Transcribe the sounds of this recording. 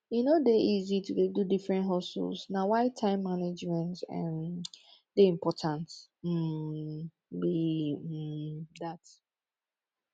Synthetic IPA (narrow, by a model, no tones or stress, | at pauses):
junodeʔizitʰudedudifɹɛ̃ntɦɔsṵlsnawaɪtʰãɪ̃mːaned͡ʒmɛ̃ntɛ̰̃n | deĩmpʰɔtʰãnt̩ | bi | dat